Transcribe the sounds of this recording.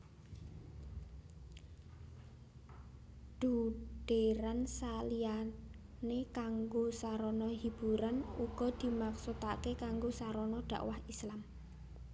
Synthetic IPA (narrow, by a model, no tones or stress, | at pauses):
ɖ̥uɖ̥eɾansalia | nekaŋɡosaɾɔnɔɦib̥uɾanuɡ̥ɔ̤d̪̥i̤maksut̪akekaŋɡosaɾɔnɔɖ̪̥a̤̰ʔwahislam